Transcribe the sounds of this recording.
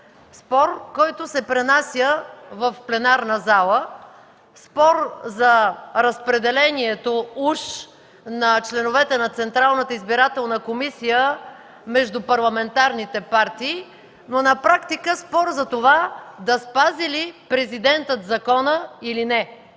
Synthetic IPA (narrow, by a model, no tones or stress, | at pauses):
spɔɾkɔjt̪ʊsɛpɾɛnasʲjəvəfplɛnaɾnəzalˠə | spɔɾzɐɾəspɾɛd̪ɛlɛniɛt̪ouʃ | nɐt͡ʃlɛnovɛt̪ɛnɐt̪sɛnt̪ɾalˠnət̪əizbiɾat̪ɛlˠnəkomisijə | mɛʒd̪ʊpɐɾlˠɐmɛnt̪aɾnit̪ɛpaɾt̪iː | nonɐpɾakt̪ikəspɔɾzɐt̪ovad̪ɐspazilipɾɛzid̪ɛnt̪ət̪zɐkɔnəilinɛ